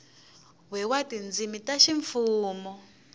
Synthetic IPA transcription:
wɛwatind͡zimitaʃiɱfuːmɔ

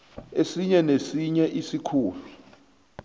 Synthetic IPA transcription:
esiɲɛnesiɲɛʔisikʰuːlu

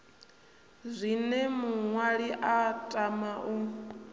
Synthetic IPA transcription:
zʷinɛmuŋwaɺiʔatʼamaʔu

